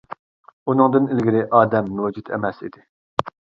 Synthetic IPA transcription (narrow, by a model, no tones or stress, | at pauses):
unɨŋd̪ɨnɪlɡʲiɾɪʔɑːd̪ɛmːuwɛd͡ʒut̪ʰɛ̰mɛsḭd̪ɪ